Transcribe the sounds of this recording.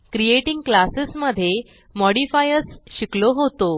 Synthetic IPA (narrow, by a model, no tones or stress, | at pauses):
kɾijeʈiŋɡklasesməd̪ʱːje | mɔɽifajəɾsɕikloɦot̪o